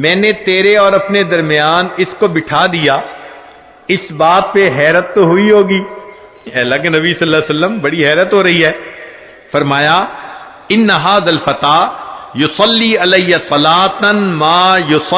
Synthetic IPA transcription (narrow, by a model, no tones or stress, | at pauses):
mɛ̃ːnet̪eːɾeɔːɾɐpned̪ɐɾmɪjaːnɪskobɪʈʰaːd̪ija | ɪsbaːt̪̚peɦɛːɾət̪ːoɦʊiɦoːɡiː | ɛːlakenɐbisɐlːaːsɐlːəmbɐɽiɦɛːɾət̪ɦoːɾɐɦiɦɛː | fɐɾmaːja | ɪnːɐɦaːðəlfɐt̪aːjʊsɐlːiːɪlɐjjasɐlaːt̪maːjʊs